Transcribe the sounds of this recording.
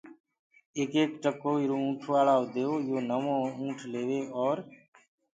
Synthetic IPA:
eːkeːkʈəkoːɪɾoːũːʈʰʋaːɭaːʊd̪eːoːjoːnəmõːũːʈʰleːʋeːɔːɾ

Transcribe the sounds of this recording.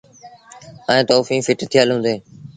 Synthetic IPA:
ə̃ẽːt̪ɔːfĩːfɪʈt̪ʰɪjalɦũːnd̪eː

